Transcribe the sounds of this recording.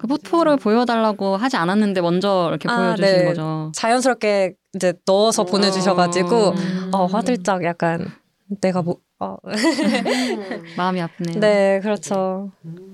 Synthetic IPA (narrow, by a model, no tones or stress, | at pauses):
kɯpʰotʰoɾɯɭpojʌdaɭːaɡoɦad͡ʑiananːɯnde̞mʌnd͡ʑʌiɾʌkʰeapojʌd͡ʑuneɕinɡʌd͡ʑot͡ɕajʌnsʰɯɾʌp̚k͈e̞ | id͡ʑe̞nʌsʰʌpone̞d͡ʑuɕ̬ʰʌɡad͡ʑiɡoʌɸwadɯɭt͡ɕ͈akjak̚k͈anː | e̞ɡamo | ʌ | mamiap̚ʰnene̞kɯɾʌt͡ɕʰo